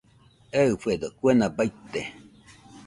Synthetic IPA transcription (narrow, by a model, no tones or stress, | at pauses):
eɨfed̪okʷenabait̪e